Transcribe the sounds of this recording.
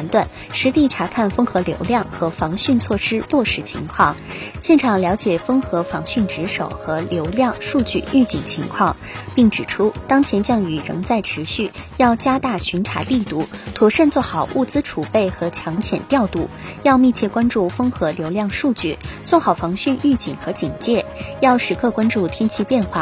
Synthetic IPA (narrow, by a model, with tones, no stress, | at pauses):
nt̪wa˥˩n | ʂɻ̩˧˥t̪i˥˩ʈ͡ʂʰa˧˥kʰa˥˩nfɤ˥ŋxɤ˧˥ljo̰˧˥ʊljɑ˥˩ŋxɤ˧˥fɑ˧˥ŋɕy˥˧nt͡sʰwɔ˥˩ʂɻ̩˥lwɔ˥˩ʂɻ̩˧˥t͡ɕʰḭ˧˥ŋkʰwɑ˥˩ŋ | ɕjɛ˥˩nʈ͡ʂʰɑ˨˩ŋljɑ˧˥ʊt͡ɕjɛ˨˩fɤ˥ŋxɤ˧˥fɑ˧˥ŋɕy˥˩nʈ͡ʂɻ̩˧˥ʂo˨˩ʊxɤ˧˥ljo˧˥ʊljɑ˥˧ŋʂu˥˧t͡ɕy̰˥˧y˥˧t͡ɕi˧˥˩t͡ɕʰi˧˥ŋkʰwɑ˥˩ŋ | pi˥˩ŋʈ͡ʂɻ̩˨˩ʈ͡ʂʰu˥t̪ɑ˥ŋt͡ɕʰjɛ˧˥nt͡ɕjɑ˥˩ŋy˨˩ɻɤ̰˧˥ŋt͡sa˥˩ɪʈ͡ʂʰɻ̩˧˥ɕy˥˩jɑ˥˩ʊt͡ɕja˥t̪a˥˩ɕy˧˥nʈ͡ʂʰa̰˨˧˩li˥˧t̪u˥˩t̪ʰu˧˥ʂə˥˧nt͡swɔ˥˩xɑ˨˩ʊʔu˥˩t͡sɹ̩˥ʈ͡ʂʰu˨˩pe˥˩ɪxɤ˧˥t͡ɕʰjɑ˧˥ŋt͡ɕʰjɛ̰˨˩nt̪jɑ˥˧ʊt̪u˥˩ | jɑ˥˧ʊmi˥˧t͡ɕʰjɛ˥˩kwa˥nʈ͡ʂu˥˩fɤ˥ŋxɤ˧˥ljo˧˥ʊljɑ˥˧ŋʂu˥˧t͡ɕy˥˩t͡swɔ˥˩xɑ˨˩ʊfɑ˧˥ŋɕy˥˧ny˥˩t͡ɕḭ˨˩ŋxɤ˧˥t͡ɕi˨˩ŋt͡ɕjɛ˥˩jɑ˥˩ʊʂɻ̩˧˥kʰɤ˥˧kwa˥nʈ͡ʂu˥˩t̪ʰji˥nt͡ɕʰi˥˧pjɛ˥˧nxwa˥˩